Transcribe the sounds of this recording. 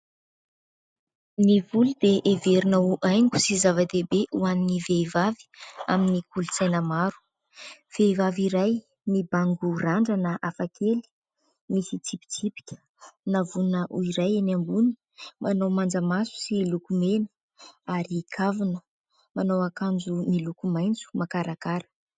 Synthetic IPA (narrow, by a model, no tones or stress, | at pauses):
nivulud̪eʔeveɾinauʔajŋɡu̥sizavat̪ebeʔuaniniveivavi̥a̰minikulut͡sajnəmaɾu̥ | v̥evaviɾaj | nibaŋɡuraɳɖ͡ʐanaʔafakʰeli̥ | misit͡sipi̥t͡sipi̥kʲə̥ | navunəʔuiɾajenambunə̥ | mʔanawmand͡zəmasu̥silukumenə̥ | aɾikʰavunə | manawakand͡zumilukumajnt͡su̥makaɾakaɾə̥